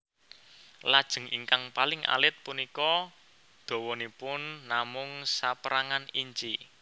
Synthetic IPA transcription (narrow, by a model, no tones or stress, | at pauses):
lad̥ʒ̥ə̤ŋḭŋkaŋpalɪŋʔa̰lɪt̪̚punikɔ | d̪̥o̤wɔnipʊnːamʊŋsapɾaŋaniɲt͡ʃi